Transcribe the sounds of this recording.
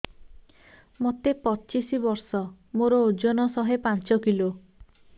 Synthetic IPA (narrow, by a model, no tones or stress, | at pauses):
mot̪epɔt͡ʃisibɔɾsɔ | moɾɔod͡ʒɔnɔsɔɦepant͡ʃɔkilo